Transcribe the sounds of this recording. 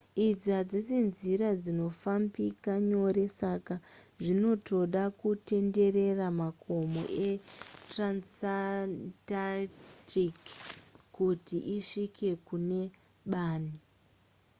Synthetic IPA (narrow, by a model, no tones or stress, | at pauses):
id͡zad͡zisinziɾad͡zino̞fambikaɲo̞ɾe̞sakaʐino̞tʰo̞ɗakute̞nde̞re̞ramakomo̰ʔetransatatikkutiʔiʂike̞kune̞ | ɓaːni